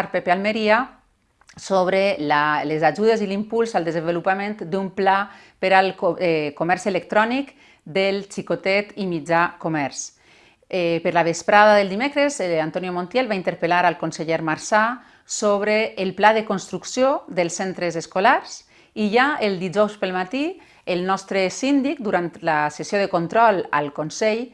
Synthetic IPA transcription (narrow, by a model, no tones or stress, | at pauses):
ɾpepealmeɾia | soβɾelalezaʒuðezilimpulˠzalˠd̪əzəmbelupamẽnt̪d̪umpla | pəɾalkkomɛɾselek̚t̪ɾɔnik | d̪əlt͡ʃikot̪ɛt̪imid͡ʒakomɛɾs | ɛpəɾlaβespɾaðaðəlˠd̪imekɾəzant̪ɔnjomõnt̪jɛlβaint̪əɾpəlaɾəlˠkonseʎɛɾmaɾsa | soβ̞ɾeːlˠplaðəkonst̪ɾuksjod̪əlˠsːɛnt̪ɾəzəskolaɾz̥ | iʒaəlˠd̪id͡ʒɔwspəlˠmat̪i | əlˠnɔst̪ɾəsind̪ikd̪uɾant̪ləsesjoðəkont̪ɾɔlə̰lkonsɛʎ